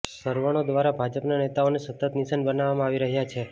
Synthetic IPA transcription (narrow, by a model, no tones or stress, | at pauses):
səɾʋəɽ̃od̪ʋaɾabʱad͡ʒəpnanet̪aonesət̪ːət̪nisənbənaʋamãaʋiɾəɦjat͡ʃʰe